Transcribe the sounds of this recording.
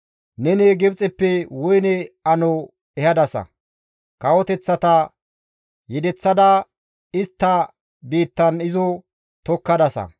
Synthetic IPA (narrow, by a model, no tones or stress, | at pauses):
nɛneɡɛbt͡sʼɛpːɛwɔjnɛɐnɔ | ɛhɐd̪ɐsɐ̰ | kɐwɔt̪ɛt͡sːɐt̪ɐ | jɛd̪ɛt͡sːɐd̪ɐ | ɪst̪ːɐ | biːt̪ːɐnɪzɔ | t̪ɔkːɐd̪ɐsɐ̰